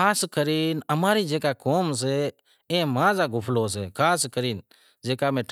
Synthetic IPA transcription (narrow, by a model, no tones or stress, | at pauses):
aːskəɾiːnəmaːɾid͡ʒeːkakoːms̬e | ẽːmãːzaɡʊpʰloːs̬ḛːkʰaːskəɾiːn | d͡ʒeːkaːmẽːʈʰ